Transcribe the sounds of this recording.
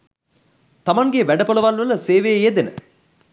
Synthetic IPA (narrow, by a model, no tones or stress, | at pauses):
t̪ɐmɐŋɡeʋæɖɐpolɐʋɐlʋɐlɐseːʋeːjed̪enə